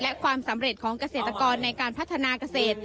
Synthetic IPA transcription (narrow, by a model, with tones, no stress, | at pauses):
lɛ˦˥kʰwaː˧msa˩˦mɾe˨˩t̪̚kʰɔː˩˦ŋka˧seː˨˩t̪ɾa˧kɔː˧nːa˧jkaː˧npʰa˦˥t̪ʰːa˧naː˧ka˧seː˨˩t̪̚